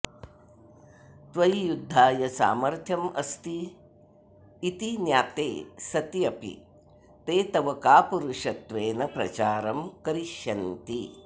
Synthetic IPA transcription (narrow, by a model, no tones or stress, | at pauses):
t̪ʋɐjjud̪ʱːaːjɐsa̰ːmɐɾt̪ʰjɐmɐst̪i | t̪injaːt̪eːsɐt̪jɐpḭ | t̪eːt̪ɐʋɐkaːpuɾuʂɐt̪ʋeːnɐpɾɐ̰t͡ʃaːɾɐmkɐɾiʃjɐnt̪i